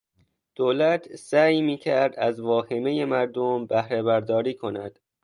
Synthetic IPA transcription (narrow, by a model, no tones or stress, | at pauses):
d̪̥oːlæt̪ʰsæːjmiːcʰæɾd̪æzvɒːheme̞jemæɾd̪ombæhɾebæɾd̪ɒːɾiːkʰo̞næ̰d̪̥